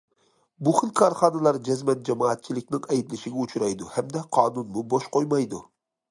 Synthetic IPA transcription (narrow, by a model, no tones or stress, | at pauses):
buχɨlkʰɑɾχɑnɨlˠɑɾd͡ʒɛzmɛt̪̚d͡ʒɛmɑːt̪̚t͡ʃʰilɪkʲnɪŋɛjd̪lɪʃɪɡʲɛut͡ʃʰɾɑjd̪uhæmd̪ɛqʰɑːnunmuboʃqojmɑjd̪u